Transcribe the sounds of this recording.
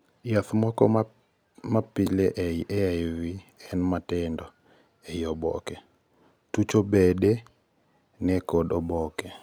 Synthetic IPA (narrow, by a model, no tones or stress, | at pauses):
jaθmɔkɔ | mapileʔɛʔɛajwiɛnmatɛndɔ | eiɔbɔ̰kɛ | tut͡ʃobede | nɛkɔdɔbɔkɛ